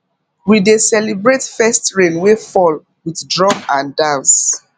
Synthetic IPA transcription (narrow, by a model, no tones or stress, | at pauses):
widesɛlibɹetfɛstɹẽnwefɔl | wiθdɹɔ̃mãndãns